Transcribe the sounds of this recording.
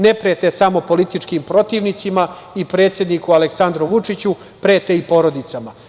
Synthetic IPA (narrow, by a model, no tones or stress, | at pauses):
nepɾet̪esamo̞po̞lit̪it͡ʂkimpɾo̞t̪iːʋnit̪sima | ipɾe̞ːt̪sje̞d̪nikualeksand̪ɾuʋut͡ʂit͡ɕu | pɾeːt̪eipo̞ɾo̞d̪it̪sama